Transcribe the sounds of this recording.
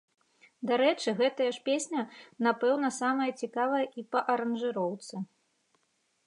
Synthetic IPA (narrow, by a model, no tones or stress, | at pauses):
d̪aɾɛt͡ʂɨɣɛt̪ɐjɐʂpʲesʲnʲɐnapɛwnɐsamɐjɐt͡sʲikavɐjɐʔipɐʔɐɾɐnʐɨɾɔwt̪sɨ